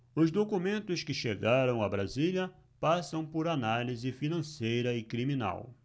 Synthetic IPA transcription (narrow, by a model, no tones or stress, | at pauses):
ʊzd̪okumẽnt̪ʊskɪʃeɡaɾɐ̃w̃abɾaziljɐ | pasɐ̃w̃poɾanalizɪfinɐ̃sejɾɐɪkɾimĩna̰w